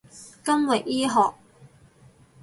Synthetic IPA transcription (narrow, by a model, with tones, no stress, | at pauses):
kɐ˥nwɐ˨jʔiː˥ɦɔː˨k̚